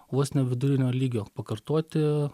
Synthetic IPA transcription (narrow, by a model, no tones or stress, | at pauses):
ʋoːsnʲɛʋʲɪd̪ʊɾʲɪnʲoːlʲiːɡʲoːpɐkɐɾt̪oːt̪ʲɪ